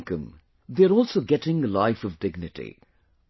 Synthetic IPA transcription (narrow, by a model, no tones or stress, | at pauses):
kə̃m | ðeəɾɔlˠsoːɡɛʈɪ̃ŋəlaɪfɔvdɪɡnɪʈḭ